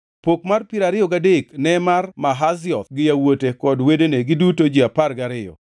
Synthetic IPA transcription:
pok̚marpiɾaɾɪɔɡadeknɛmarmaɦazɪɔt̪ɡɪjawotekɔdwedeneɡɪdutod͡ʒiaparɡaɾɪjɔ̰

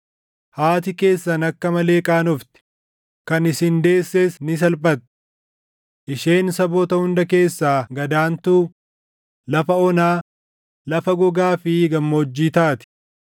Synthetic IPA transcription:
haːt̪̬ɪke̞ːsːɐnɐkːɐmɐle̞ːkʼaːnɔft̪ɪ̥ | kɐnɪsɪnd̪e̞ːsːeːsnɪs̬ɐlpʼɐt̪ː | ʔɪʃe̞ːnsɐbɔːt̪ɐhʊnd̪ɐke̞ːsːaːɡɐd̪aːnt̪uː | lɐfɐɔnaː | lɐfɐɡɔɡaːfɪɡɐmːoːd͡ʒːiːt̪aːt̪ɪ̥

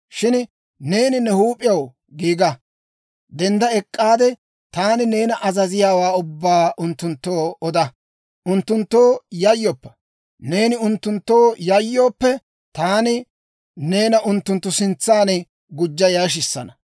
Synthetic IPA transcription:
ʃɪn | ne̞ːnɪnɛhuːpʼɪjɐw | ɡiːɡɐ | d̪ɛnd̪ɐɛkʼːaːd̪ɛ | t̪aːnɪne̞ːnɐʔɐzɐzɪjaːwaːʊbːaːʔʊnt̪ːʊnt̪ːoːɔd̪ɐ | ʔʊnt̪ːʊnt̪ːoːjɐjːɔːpːɐ̥ | ne̞ːnɪʊnt̪ːʊnt̪ːo̞ːjɐjːo̞ːpːɛ | t̪aːnɪ | ne̞ːnɐʔʊnt̪ːʊnt̪ːʊsɪnt͡sːaːnɛ | ɡʊd͡ʒːɐjaːʃ̬ɪsːɐnɐ̥

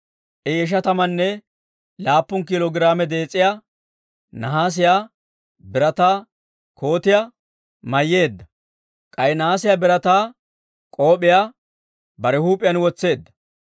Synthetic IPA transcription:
ʔɛjɛʃ̬ɐt̪ɐmɐnːɛ | laːpːʊnkɪlɔɡɪɾaːmɛd̪e̞ːt͡sʼːɪjaː | nɐɦaːs̬ɪjaː | bɪɾɐt̪aː | kʰo̞ːt̪ɪja | mɐjːe̞ːd̪ːɐ | kʼɐjnɐhaːsɪjaːbɪɾɐt̪aː | kʼo̞ːpʼɪjaː | bɐɾɛhuːpʼːɪjɐnwɔt͡sːe̞ːd̪ːɐ

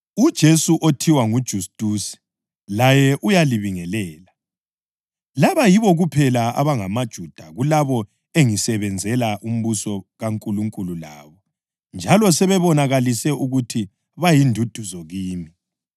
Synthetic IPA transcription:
ud̥ʒ̥ʱesuʔotʰiwaŋud̥ʒ̥ʱustʼusi̥ | lajɛʔujaliβiŋɛlɛːla | laβajiβɔɣupʰɛlaa̰βaŋamad̥ʒ̥ʱud̥ʱaɣulaβɔ | eŋisɛβɛnd͡zʱɛlaʔum̩βusɔɣaŋkʼuluŋkʼulula̰ːβɔ | nd͡ʒʱalɔsɛβɛβɔnaɣalisɛʔuɣutʰi | βajindʱud̥ʱuzɔɣiːmi

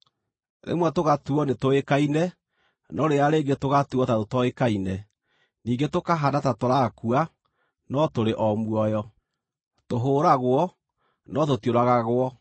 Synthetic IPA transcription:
ðḛmwɛtoɣatuɔnetoekainɛ | nɔɾeaɾeːɡetoɣatuɔtaɾotɔekainɛ | niːŋɡetokaɦadatatoɾakua | nɔtoɾeʔɔmwɔjɔ | toɦoːɾaɣwɔ | nɔtotjoɾaɣaɣwɔ

